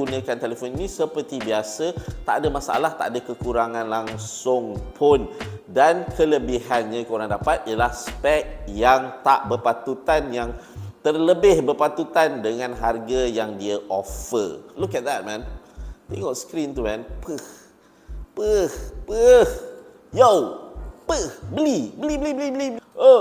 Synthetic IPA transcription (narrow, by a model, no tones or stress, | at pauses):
unə̃kant̪elefoninĩsəpərt̪ibiasət̪aʔadəmasa̰ʔa̰laht̪a̰ʔadakəkuɾaŋãnlaŋsʊŋpʰʊndankʰələbiɦanɲãkuɾaŋdapat̪̚ijəlahspɛk̚jaŋt̪aʔbərpat̪ut̪anjaŋ | t̪ərləbɪhbərpat̪ut̪andəŋãnɦarɡajaŋdiəʔɔfə̰lukɛt̪̚ðɛt̚mɛ̃nt̪ɛ̃ŋɔtskɾĩnt̪umɛ̃npʰəh | pəhpəh | jowpəhbəlibəliblibəlibəlibo